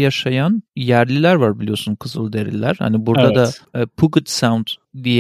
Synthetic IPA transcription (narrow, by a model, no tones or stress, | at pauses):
jaʃajanjæɾlʲilʲæɾvaɾbilʲijo̞sunkʰɯzlˠɯd̪e̞ɾḭlʲːæ̰ɾ̥ha̰nibuɾd̪ad̪apʰuɡut̪sawnd̪d̪ijɛ